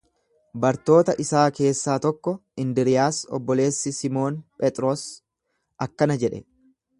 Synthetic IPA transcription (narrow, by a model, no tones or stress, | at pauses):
bɐɾt̪o̞ːt̪ɐʔɪsaːke̞ːsːaːt̪ɔkːɔɪnd̪ɪɾɪjaːsɔ̰bːɔle̞ːsːɪsɪmo̞ːnpʼɛt̪ʼɾo̞ːs | ɐkːɐnɐd͡ʒɛᶑɛ